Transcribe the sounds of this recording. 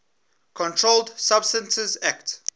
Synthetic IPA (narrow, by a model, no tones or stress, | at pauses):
kʰɔ̃ntʰɹoldsab̥stə̃nsəzækt